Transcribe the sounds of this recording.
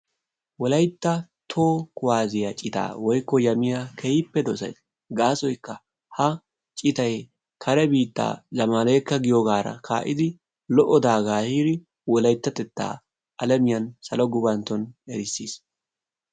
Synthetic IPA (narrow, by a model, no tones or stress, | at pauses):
wɔlɐjt̪ːɐ | t̪ʰoːkʊwaːzɪjɐt͡ʃʼɪt̪a̰ːwɔjkːɔjɐmɪjakʰɛjɪpːɛd̪ɔsɐ̰js | ɡaːsɔjkːɐ | hɐ | t͡ʃʼɪt̪ɐj | kʰɐɾɛbiːt̪ːa̰ːzɐmaːleːkːɐɡɪjoɡaːɾɐ̰kʰa̰ːʔɪd̪ɪ | lɔʔɔd̪aːɡaːhiːɾɪ | wɔlɐjt̪ːɐt̪ɛt̪ːa̰ː | ʔɐlɛmɪjɐnsɐlɔɡʊbɐnt̪ːɔnɛɾɪsːiːs